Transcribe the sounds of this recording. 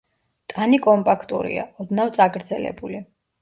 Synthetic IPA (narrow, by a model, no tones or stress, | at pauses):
t̪ʼanikʼɔmpʼakʰt̪ʼṵɾḭa̰ɔd̪nawt̪sʼaɡɾd̪zɛlɛ̰buli